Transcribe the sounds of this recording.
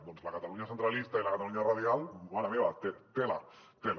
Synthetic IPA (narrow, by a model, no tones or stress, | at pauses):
d̪onzlakat̪aluɲasent̪ɾalist̪ailakat̪aluɲarað̞jalaameβat̪et̪ela̰t̪el